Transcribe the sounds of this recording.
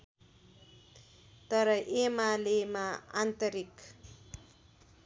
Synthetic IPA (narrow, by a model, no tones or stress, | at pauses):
t̪ʌɾʌʔemalemaa̰nt̪ʌɾik